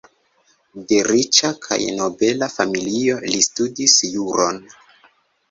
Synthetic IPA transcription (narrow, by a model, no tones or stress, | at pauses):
deɾit͡ʃakʰa̰jno̞be̞lafamilio̞listudisjuɾo̞n